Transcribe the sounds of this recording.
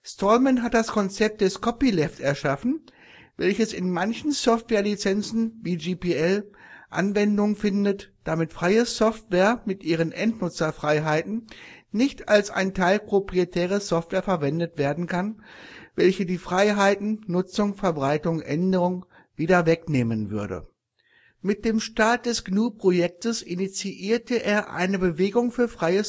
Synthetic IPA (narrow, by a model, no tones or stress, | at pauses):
stɔlmɛnɦat̚d̥askʰɔnt͡sɛp̚t̚d̥ɛskʰɔpilɛfsɛɐʃafn̩ | vɛlçəsɪnmançn̩sɔftv̥ɛːɐlit͡sɛnt͡sn̩viːd͡ʒiːpiɛlʔa̰nvɛndʊŋənfɪndətd̥amɪtfʁ̥aɪəsɔftv̥ɛːɐmɪtʔiːʁ̞ənʔɛntnʊt͡sɐfʁ̥aɪɦaɪtn̩nɪçtʰalsʔa̰ɪntʰaɪlpʁ̥opʁ̥ietʰɛːʁəsɔftv̥ɛːɐfɛɐvɛndətv̥eːɐdn̩kʰanvɛlçədiːfʁ̥aɪɦaɪtn̩ːʊt͡sʊŋfɛɐbʁaɪtʊŋʔɛndəʁʊŋ | viːdɐvɛkneːmənvʏɐdə̰ | mɪt̚d̥eːmʃtaɐt̚d̥ɛsɡ̥nuːpʁ̥ojɛk̚təsɪnit͡siʔiːɐtəʔeːɐʔa̰ɪnəbəveːɡʊŋfyːɐfʁ̥aɪə